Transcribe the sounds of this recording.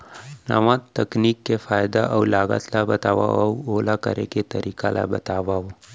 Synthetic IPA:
nə̰ʋãtt̪ːəkniːkːefajd̪aʔəwlaɡa̰t̪labət̪aʋa̰əwolakə̰ɾḛket̪əɾikala̰bət̪aʋaʋ

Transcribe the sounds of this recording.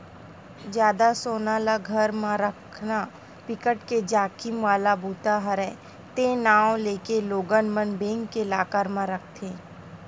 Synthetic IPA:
d͡ʒjaːd̪asoːnaːlaɡʱəɾmãɾəkʰna | pɪkəʈked͡ʒaːkɪmʋaːlabuːt̪aɦəɾɛ | t̪ẽːnaːw̃leːkeloːɡənmənbẽːŋɡkelaːkaɾmãɾək̚ʰt̪ʰẽː

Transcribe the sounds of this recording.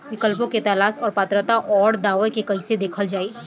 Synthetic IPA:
ʋɪkəlpõket̪ɐlaːsɔːɾpaːt̪ɾət̪aʔɔːɽd̪aːʋekekɐised̪eːkʰəld͡ʒaːeː

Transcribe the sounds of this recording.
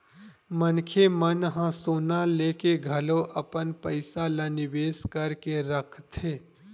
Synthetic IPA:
mənkʰemənɦãsoːnaleːkeɡʱɐloʔɐpənpəɪsalanɪʋeːskɐɾkeɾəkʰt̪ʰeː

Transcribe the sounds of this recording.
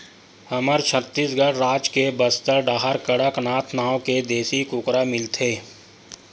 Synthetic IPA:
hɐməɾt͡ʃʰət̪ːisɡəɽɾaːd͡ʒkebəst̪əɾɖaːɦəɾkəɽəknaːt̪ʰnaːõked̪eːsikʊkɾamɪlt̪ʰeː

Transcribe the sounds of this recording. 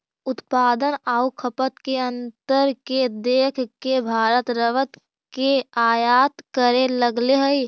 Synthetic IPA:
ʊt̪paːd̪ənaːukʰəpət̪keə̃nt̪əɾked̪eːkʰkebʱaːɾət̪ɾəʋət̪ | keaːjaːt̪kəɾeləɡleɦəi

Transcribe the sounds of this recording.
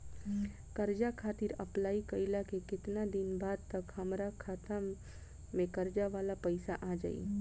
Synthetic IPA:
kəɾd͡ʒakʰaːt̪iɾɐplaːikəilakekɪt̪nad̪ɪnbaːd̪̚t̪ɐkhɐmɾakʰaːt̪a | mẽkəɾd͡ʒaʋaːlapəɪsaʔaːd͡ʒa̰ḭ

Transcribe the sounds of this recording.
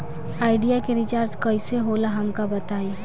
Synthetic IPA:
aːɪɖijakeɾɪt͡ʃaːɾd͡ʒkəɪseɦolaɦɐmkabɐt̪aːẽː

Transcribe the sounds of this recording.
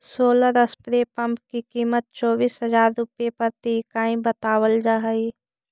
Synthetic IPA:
soːləɾəspɾepɐ̃mp̚kikiːmət̪̚t͡ʃɔːbiːsɦɐzaːɾːʊpjepɐɾt̪ikaːĩbət̪aːwəld͡ʒaːɦəi

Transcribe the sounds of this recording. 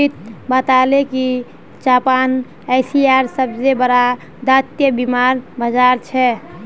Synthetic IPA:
it̪̚bət̪aleki | d͡ʒapan | aɪsiaɾsəbzebəɾa | d̪at̪jəbimaɾbəd͡ʒaɾt͡ʃʰɛ

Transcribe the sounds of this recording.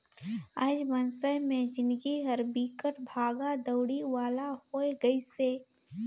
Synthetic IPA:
aːd͡ʒmənsəjmẽd͡ʒɪ̃nd̪ɡiɦɐɾbiːkəʈbʱaːɡad̪əʊɽiʋaːlahoːeɡəiseː

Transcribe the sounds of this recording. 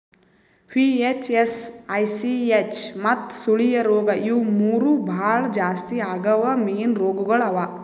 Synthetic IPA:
piːet͡ʃesɐjsiet͡ʃmɐt̪suɭijɐɾoːɡɐʔiwmuːɾubʱaːɭd͡ʒaːst̪iaːɡɐʋɐmiːnɾoːɡuɡɐɭɐʋa

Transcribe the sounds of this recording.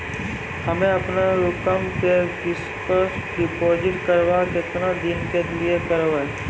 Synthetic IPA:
hɐmẽɐpnaɾʊkəmkekɪs | pəɖɪpoːd͡ʒɪʈkəɾʋakɪt̪nad̪ɪnkeliekəɾoe

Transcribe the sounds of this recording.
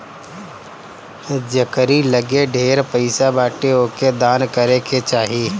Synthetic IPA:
d͡ʒɐkəɾiləɡeɖʱeːɾpəɪsabaːʈeoked̪aːnkəɾekʰet͡ʃaːɦiː

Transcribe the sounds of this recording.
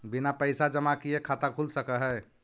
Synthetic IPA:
binapəɪsad͡ʒəmakijekʰat̪akʰulsəkəɦɛ

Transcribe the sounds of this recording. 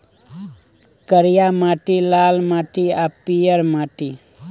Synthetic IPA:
kəɾjamaːʈilaːlmaːʈiapijəɾmaːʈi

